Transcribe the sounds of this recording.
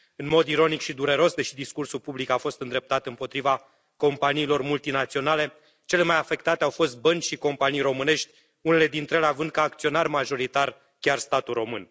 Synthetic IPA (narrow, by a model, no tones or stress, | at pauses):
ɨnmo̞d̪iɾo̞nikʃid̪uɾe̞ɾo̞sd̪e̞ʃid̪iskursulpublikafo̞st̪ɨnd̪ɾe̞p̚t̪at̪ɨmpo̞t̪ɾiva | ko̞mpaniːlo̞rmult̪inat̪sio̞nale̞ | t͡ʃe̞le̞majafe̞kt̪at̪e̞awfo̞st̪̚bənt͡ʃʲʃiko̞mpanijro̞mɨne̞ʃt̪ʲ | une̞le̞d̪int̪ɾeəleavɨnd̪̚kaːkt̪sio̞narmaʒo̞ɾit̪ar | kʲarst̪at̪uro̞mɨn